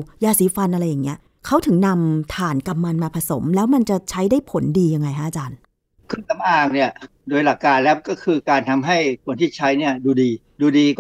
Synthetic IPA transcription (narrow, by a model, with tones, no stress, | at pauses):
jaː˧siː˨˩˦fa˧nʔa˧ɾa˧jːa˨˩ŋːi˦˥ɐ | kʰa˦˥wt̪ʰɯ˨˩˦ŋna˧mt̪ʰaː˨˩nka˧mːa˧nmaː˧pʰa˧so˩˦mlɛː˦˥wma˧nt͡ɕa˨˩t͡ɕʰa˦˥jdaː˥˩jpʰo˨˩˦ndiː˧ja˧ŋːa˧jkʰa˦˥ʔːt͡ɕaː˧n | kʰɯ˥˩ŋt̪a˧mʔaː˧ŋni˥˩ɐdoː˧jla˨˩kːaː˧nlɛː˦˥˩kɔː˥˩kʰɯː˧kaː˧nt̪ʰa˧mɦa˥˩jkʰu˧˩ənt̪ʰiː˥˩t͡ɕʰa˦˥jni˥˩ɐduː˧diː˧ | duː˧diː˧